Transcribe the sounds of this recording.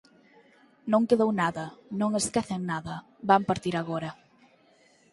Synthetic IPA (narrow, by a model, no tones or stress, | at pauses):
nõŋkeðownaðɐnõŋeskɛθeŋnaðɐ | bampaɾt̪iɾaɣoɾɐ